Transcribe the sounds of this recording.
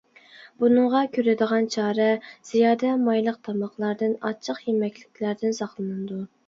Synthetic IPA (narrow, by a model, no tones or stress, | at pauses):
bunɨɴʁɑkʲʰøɾɪd̪əʁɑnt͡ʃʰɑːɾɛz̥ijɑːd̪ɛmɑjlˠəq̚t̪ʰɑmɑχlˠɑɾd̪ɨnɑt͡ʃʰːəqjemɛkʲlɪkʲlæɾd̪ɪnsɑχlˠɨnɨd̪u